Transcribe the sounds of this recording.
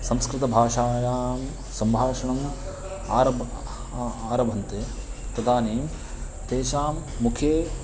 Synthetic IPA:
sɐmskɾɪt̪ɐbʱaːʂaːjaːm | sɐmbʱaːʂɐɳɐm | aːɾɐb | aːɾɐbʱɐnt̪e | t̪ɐd̪aːneːm | t̪eːʃaːmːukʰjeː

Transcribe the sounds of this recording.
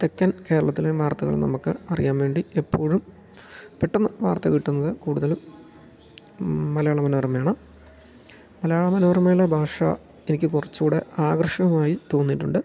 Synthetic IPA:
t̪ekːɐnke̞ːɾɐɭɐt̪ːileʋaːrt̪ɐɣɐ̰ɭ̰nɐ̰mukːɨɐrijaːnʋe̞ːɳɖiepːo̞ːɻum | peʈːɐnːɐʋaːrt̪ɐkiʈːunːɐðɨkuːɽuðɐlum | ɐlɐjaːɭɐmɐnɐʋɐrmɐjaːɳɨ | mɐlɐjaːɭɐmɐnɐʋɐrmɐlebʱaːʂa̰ | enikʲːɨkurɐt͡ɕːuːɽeaːɡrʂɐɣɐmaːjit̪o̞ːnːiʈːuɳɖɨ

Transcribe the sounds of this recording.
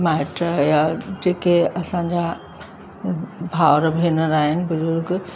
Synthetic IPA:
maːɪʈɾajad͡ʑeːkeɐsãːɲd͡ʑa | bʱaːʋɾəbʱiːnəɾaːɦɪnɪ̆bʊzʊɾɡ

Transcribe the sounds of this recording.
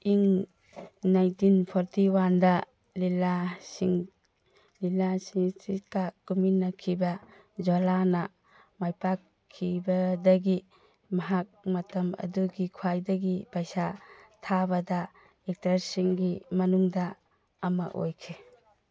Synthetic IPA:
iŋ | najntinpʰɔɾtiwandɐ | lilasiŋ | lilasiŋsikakuminːɐkʰibɐ | d͡ʒolanɐ | majpakʰːibɐdɐɡi | mɐɦak̚mɐtɐmɐ̰duɡikʰwajdɐɡipajsatʰabɐdɐ | ek̚tɾaɾsiŋɡimɐnuŋdɐː | mɐ̰ʔo̰jkʰe

